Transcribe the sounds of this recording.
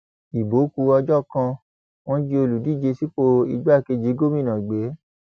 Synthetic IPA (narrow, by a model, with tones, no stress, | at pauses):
i˨bo˨˦ku˧˦ɔ˧d͡ʒɔ˦˨kã˧ | w̃ɔ̃˦d͡ʒi˧o˧lu˨di˦˨d͡ʒe˧si˦k͡po˧i˧ɡ͡ba˦˨ke˧˨d͡ʒi˨˦ɡo˦mĩ˦˨nã˨ɡ͡be˨˦